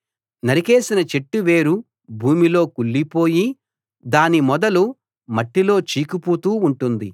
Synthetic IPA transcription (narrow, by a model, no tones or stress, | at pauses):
nɐɾike̞ːsinɐt͡ʃe̞ʈːuʋeːɾu | bʱuːmilo̞ːkuɭːipo̞ːji | d̪aːnimɔd̪ɐlu | mɐʈːilo̞ːt͡ʃiːkupuːt̪uːuɳʈund̪i